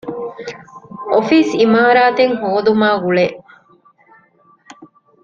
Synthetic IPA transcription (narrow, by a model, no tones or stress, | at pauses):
ʔofiːsimaːɾaːt̪eŋhoːd̪umaːɡuɭeʔ